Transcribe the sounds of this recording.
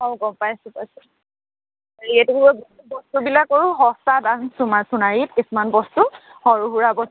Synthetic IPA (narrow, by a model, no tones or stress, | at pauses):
ɔwɡɔmpajsupajsɛ | aietukubɔbɔ | bɔstubilakːɔɹuɦɔsadansumasunaɹit̚kisumanbɔstu | hɔɹuɦuɹabɔs